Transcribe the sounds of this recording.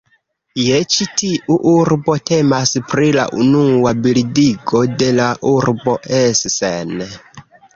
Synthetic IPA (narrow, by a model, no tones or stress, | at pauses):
jet͡ʃitiʔuʔuɾbo̞te̞maspɾila̰ʔunuwabiɾidiɡo̞de̞laʔuɾbo̞ʔessen